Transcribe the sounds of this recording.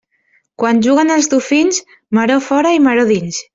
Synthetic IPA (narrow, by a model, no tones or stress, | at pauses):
kwanʲʒuɣ̞ənəlˠzðufinz | maɾofɔɾəimaɾoðins